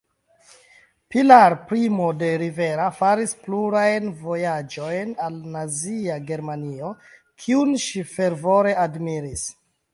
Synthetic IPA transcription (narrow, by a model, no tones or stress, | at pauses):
pilaɾpɾimo̞de̞ɾive̞ɾafaɾispluɾajnvo̞jad͡ʒo̞jnalnaziaɡe̞ɾmanio̞ | kʰiunʃife̞ɾvo̞ɾe̞admiɾis